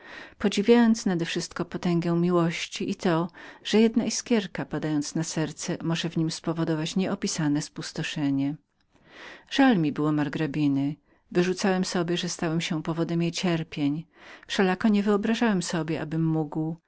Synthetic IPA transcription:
pɔd͡ʑivʲjajɔnt̪snad̪ɛfʂɘst̪kɔpɔt̪ɛŋɡɛ̃w̃mʲiwɔɕt͡ɕiʔit̪ɔʐ̥ɛjɛd̪naʔiskʲjɛɾkapad̪ajɔnt̪snasɛɾt̪sɛmɔʐɛvɲimspɔvɔd̪ɔvat͡ɕɲɛʔɔpʲisanɛspust̪ɔʂɛɲɛ | ʐ̥almʲibɘwɔmaɾɡɾabʲinɘ | vɘʐut̪sawɛmsɔbʲjɛʐɛst̪awɛmɕɛpɔvɔd̪ɛmjejt͡ɕɛɾpʲjeɲ | fʂɛlakɔɲɛvɘɔbɾaʐawɛmsɔbʲjɛʔa̰bɘmːuɡw

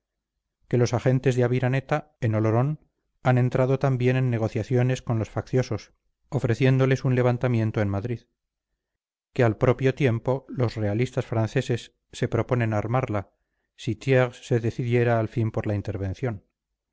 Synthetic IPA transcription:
ke̞lo̞saxe̞nt̪e̞zðeaβiɾane̞t̪a | e̞no̞loɾo̞n | anẽ̞nt̪ɾaðo̞t̪ambje̞ne̞nːe̞ɣ̞o̞θjaθjo̞ne̞sko̞nlo̞sfakθjo̞so̞s | o̞fɾe̞θje̞nd̪o̞le̞sunle̞βant̪amjẽ̞nt̪oenmaðɾið | ke̞alpɾo̞pjo̞t̪je̞mpo̞lo̞sre̞alist̪asfɾanθe̞se̞sː | e̞pɾo̞po̞nẽ̞naɾmaɾla | sit̪jeʁsse̞ðe̞θiðje̞ɾaːlfimpo̞ɾlaint̪e̞ɾβe̞nθjo̞n

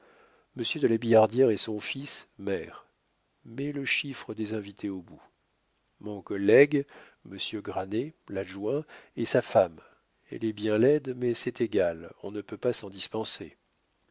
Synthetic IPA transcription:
məsjød̪əlabijaʁd̪jɛʁesɔ̃fismɛʁ | mɛləʃifχəd̪ezɛ̃vit̪ʰeobu | mɔ̃kɔlːɛɡ | məsjøɡʁanelaʒwɛ̃ɛsafam | ɛ̰lɛbjɛ̃lɛd̪mɛsɛt̪eɡalɔ̃nəpøpasɑ̃d̪ispɑ̃sḛ

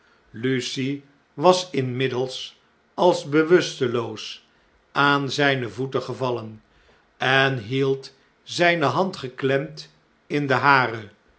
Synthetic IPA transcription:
lysi | ʋɑsɪnmɪdəlˠs | ɑlˠzbəʋɵstəlows | ʔaːnzɛjnəvutəχəvɑlən | ɛnɦilˠt | zɛjnəɦɑntχəklɛmt | ɪndəɦaːrə

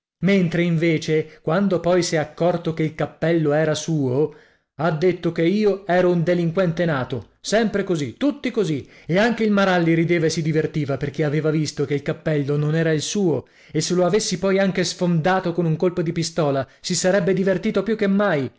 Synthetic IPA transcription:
ment̪ɾeiɱveːt͡ʃekwand̪opɔjsɛakːɔrt̪okeilkapːɛlːoɛːɾasuːo | ad̪ːet̪ːokeiːoɛːɾound̪eliŋkwɛnt̪enaːt̪o | sɛmpɾekozit̪ːut̪ːikozi | eaŋk̟eilmaɾalːiɾid̪eːvaesid̪ivert̪iːvaperk̟eaveːvavist̪okeilkapːɛlːononɛːɾailsuːo | esːeloavesːipɔjaŋk̟esfond̪aːt̪okonuŋkolpod̪ipist̪ɔːlasisaɾɛbːed̪ivert̪iːt̪opjukːemːaj

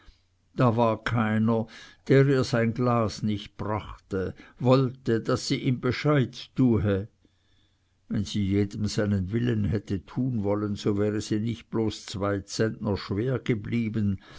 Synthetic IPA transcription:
d̥aːvaːɐkʰaɪnɐd̥eːʁiːɐz̥aɪnɡlaːsnɪçt̚b̥ʁaχtəvɔltədasːiːʔiːmbeʃaɪtːuːɦe | vɛnz̥iːjeːdəmzaɪnənvɪlənɦɛtətʰuːnvɔlənz̥ovɛːʁəsiːnɪçt̚b̥loːst͡sv̥aɪt͡sɛntnɐʃv̥eːɐɡ̥əbliːbən

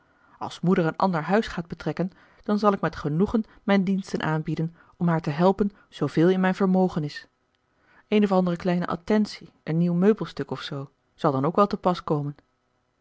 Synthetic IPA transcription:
ɑ̰lˠsmudəɹənʔɑ̰ndəɹɦœɥsχaːd̚bətrɛkən | d̥ɑnzɑlˠɪkmɛtχənuχən | mɛjndinstənʔaːnbidən | ɔmɦaːɹtəɦɛlˠpən | z̥owv̥ɪːlˠɪnmɛjnvəɹmowχənɪs | ejnɔfɑndərəklɛjnə̰ʔɑ̰tɛnsi | ənːiwmøɥbəlˠstɵkɔfsow | z̥ɑlˠdɑnowkʋɛlˠtəpɑskowmən

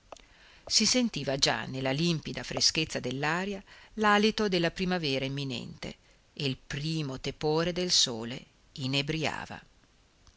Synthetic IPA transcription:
sisent̪iːvad͡ʒa̰nːelːalimpid̪afɾesket̪sːad̪elːaːɾjalaːlit̪od̪elːapɾimavɛːɾaemːinɛ̰nt̪ḛ | eilpɾiːmot̪epoːɾed̪elsoːle | inebɾia̰ːva̰

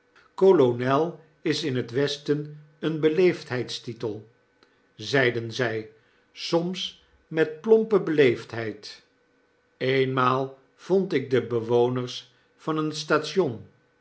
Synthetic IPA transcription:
kolonɛlˠ | ɪsɪnɦətʋɛstən | ənbəlejftɦɛjtstitəlˠ | zɛjdənzɛj | sɔms | mɛt̚plɔmpəbəlejftɦɛjt | ejnmaːlˠ | v̥ɔntɪɡ̚dəbəʋownəɹs | fɑnənstaːtʃɔn

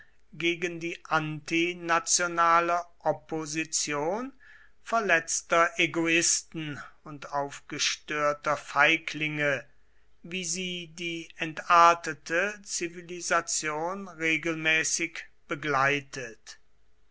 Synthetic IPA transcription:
ɡeːɡəndiːʔantinat͡sjonaːləʔɔpʰozit͡sjoːn | fɛɐlɛt͡stɐʔeɡoɪstn̩ʊntaʊfɡ̥əʃtøːɐtɐfaɪkʰlɪŋə | viːziːdiːɛntaɐtətʰət͡sivilizat͡sjoːnʁeːɡl̩mɛːsɪkb̥əɡlaɪtət

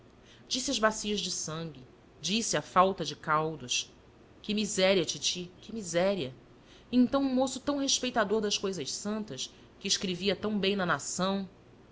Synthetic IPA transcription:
d͡ʒisɪɐzbasiɐʒd͡ʒɪsɐ̃ŋɡʲɪ | d͡ʒisɪafawt̪ɐd͡ʒɪkawd̪uʃ | kɪmizɛɾiɐt͡ʃit͡ʃikɪmizɛɾiɐ | ẽnt̪ɐ̃w̃ũmosʊt̪ɐ̃w̃ɦeʃpejt̪ad̪oɾd̪ɐʃkojzɐʃsɐ̃nt̪ɐʃ | kɪːʃkɾeviɐt̪ɐ̃w̃bẽj̃nɐnasɐ̃w̃

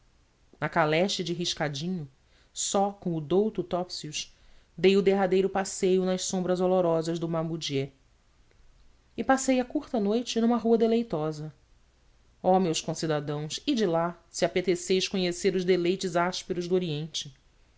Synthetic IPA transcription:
nɐkalɛʃt͡ʃɪd͡ʒɪɦiʃkad͡ʒĩɲʊ | sɔkõw̃ʊd̪owt̪ʊt̪ɔpsiuʃ | d̪ejʊd̪eɦad̪ejɾʊpasejʊnɐʃsõmbɾɐzoloɾɔzɐʒd̪ʊmamud͡ʒiɛ | ɪpasejɐkuɾt̪ɐnojt͡ʃɪnũmɐɦuɐd̪elejt̪ɔzɐ | ɔmewskõsid̪ad̪ɐ̃w̃sɪd͡ʒɪlasɪapet̪esejʃkõɲeseɾʊʒd̪elejt͡ʃɪzaʃpeɾʊʒd̪ʊoɾiẽnt͡ʃɪ

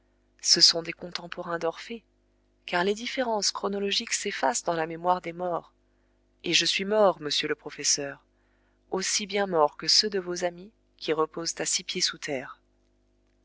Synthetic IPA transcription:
səsɔ̃d̪ekɔ̃t̪ɑ̃pɔʁɛ̃d̪ɔʁfe | kaʁled̪ifeʁɑ̃skχɔnɔlɔʒiksefasd̪ɑ̃lamemwaʁd̪emɔʁ | eʒəsɥimɔʁməsjøləpχɔfɛsœːʁ | osibjɛ̃mɔʁkəsød̪əvozami | kʲiʁəpozt̪asipjesut̪ʰɛːʁ

